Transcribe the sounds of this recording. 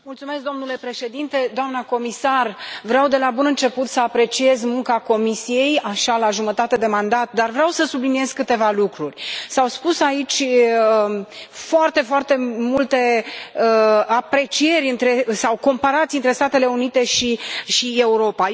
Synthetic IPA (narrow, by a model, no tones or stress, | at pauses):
mult̪sume̞sk̚d̪o̞mnule̞pɾe̞ʃe̞d̪int̪e̞d̪oamnəko̞misarvɾeawd̪e̞labunɨnt͡ʃe̞put̪səapɾe̞t͡ʃie̞zmuŋkako̞misije̞jaʃalaʒumət̪at̪e̞d̪e̞mand̪at̪̚d̪arvɾeawsəsublinije̞zkɨt̪e̞valukɾurʲsawspusait͡ʃʲ | foart̪e̞foart̪e̞mult̪e̞əapɾe̞t͡ʃije̞ɾʲɨnt̪ɾe̞sawko̞mpaɾat̪siɨnt̪ɾe̞st̪at̪e̞le̞unit̪e̞ʃiʃie̞uɾo̞pa